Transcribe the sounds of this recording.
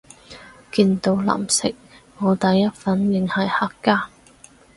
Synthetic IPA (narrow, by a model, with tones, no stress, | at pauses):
kiː˧nt̪o˧wla̰ː˨˩msɪ̰˨˥k̚ŋɔː˨˧t̪ɐ˨˥jːɐ˥t̚fɐ˨˥njɪ˨ŋhɐ˨˩jhaː˨˩kːaː˥